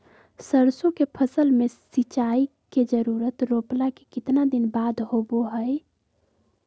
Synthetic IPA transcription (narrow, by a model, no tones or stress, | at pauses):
səɾsõkepʰəsəlmesit͡ʃai | ked͡ʒəɾuɾət̪ɾoplakekɪt̪nad̪inbad̪ʱhoboɦəj